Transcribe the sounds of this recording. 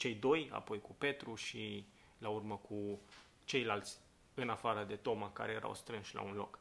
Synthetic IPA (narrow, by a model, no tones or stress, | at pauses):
t͡ʃe̞jd̪o̞ja̰po̞jkupe̞t̪ɾuʃi | laurməkʰu | t͡ʃe̞jlalt̪sʲ | ɨnafaɾəd̪e̞t̪o̞maka̰ɾe̞je̞ɾʔa̰wst̪ɾɨnʃla̰unlo̞̰k